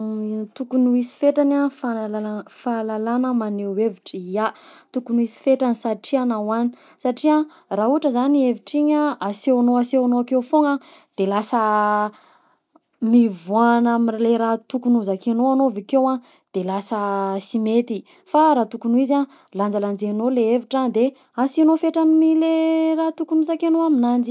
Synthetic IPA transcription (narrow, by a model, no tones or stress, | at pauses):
t̪ukunuisi̥feʈ͡ʂanafaalaafalalanəmaneweviʈ͡ʂiat̪ukunuisi̥feʈ͡ʂanisaʈ͡ʂianawani̥ | saʈ͡ʂia | raɦuʈ͡ʂəzanieviʈ͡ʂiɲaasewanoasewanoakewfoŋa | d̪̥elasə | mivuanamileɾat̪ukunuzakenoanovikewa | d̪̥elasəsimet̪i | faɾaːt̪ukunuiza | land͡zaland͡zenoleeviʈ͡ʂand̪e | asinofeʈ͡ʂanimilerat̪ukunuzakenoaminand͡ʒi